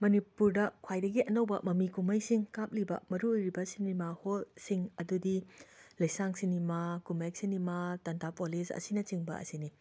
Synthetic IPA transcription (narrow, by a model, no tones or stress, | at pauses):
mɐnipuɾdɐkʰwajdɐɡiʔɐnɐwbɐ̰mɐmikumɐjsiŋkap̚libɐ̰mɐɾuojɾibɐsinimaholsiŋɐdudilɐjsaŋsinimakumek̚sinimatɐntapolisɐ̰sinɐt͡ʃiŋbɐ̰ɐ̰sini